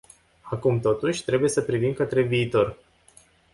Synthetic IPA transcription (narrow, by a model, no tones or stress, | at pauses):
akumt̪o̞t̪uʃʲt̪ɾe̞buje̞səpɾivimkət̪ɾe̞viːt̪o̞r